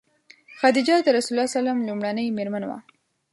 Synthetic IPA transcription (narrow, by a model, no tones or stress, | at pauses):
xad̪ɪd͡ʒɑd̪əɾasulɑsalamlumɽanəjmeɾmanwa̰